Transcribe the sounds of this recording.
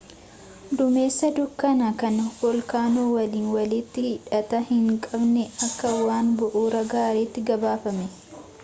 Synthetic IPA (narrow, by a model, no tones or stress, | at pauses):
d̪ʊme̞ːsːɐd̪ʊkːɐnɐkɐnwɔlkaːnuːwɐliːnwɐlɪt̪ːɪhɪᶑɐt̪ɐhɪŋkʼɐbnɛɐkːɐwaːnbʊʔuːɾɐɡaːɾeːt̪ːɪɡɐbaːfɐmɛ